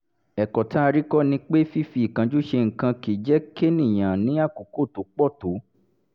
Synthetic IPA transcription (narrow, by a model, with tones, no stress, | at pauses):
ɛ˨kɔ˨ta˦˧ɾi˦kɔ˦nĩ˧k͡pe˦fi˦fi˧˨kã˨˧˦d͡ʒu˦ʃe˧ŋ̩˨kã˧ki˨d͡ʒɛ˨˦ke˦nĩ˦˨j̃ã˨nĩ˨˦a˦˨ku˨ko˦˨to˨˦k͡pɔ˦˨to˨˦